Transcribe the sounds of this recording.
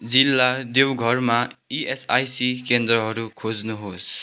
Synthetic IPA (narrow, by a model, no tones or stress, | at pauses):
d͡zilːad̪ewɡʱʌrmaiesajsikend̪ɾʌɦʌɾukʰod͡znuɦos